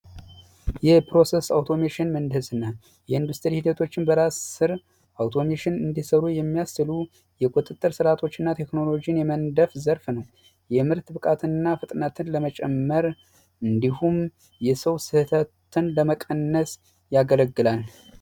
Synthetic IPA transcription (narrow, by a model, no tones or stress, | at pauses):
jɛpʰɾo̞se̞sawt̪ʰo̞meʃɪnmənd̪ɨsɨnːa | jɛɨnd̪ust̪ʰɨɾihid̪ət̪ʰo̞t͡ʃːɪnbəɾassɨɾ | ʔawt̪ʰo̞meʃɪnɨnd̪isəɾujɛmːijastɨlu | jɛkʼut̪ʼɨt̪ʼːɨɾsɨɾat̪ʰo̞t͡ʃːɨnːat̪ʰe̞kno̞lo̞d͡ʒijnjɛmənd̪əfzəɾfnəw | jɛmɨɾt̪bɨkʼat̪ʰɨnːafɨt̪ʼnət̪ʰɨnləmət͡ʃʼɛmːəɾ | ɨnd̪ihum | jɛsəwsɨht̪ʰət̪ʰɨnləməkʼənːəs | jaɡələɡːɨlal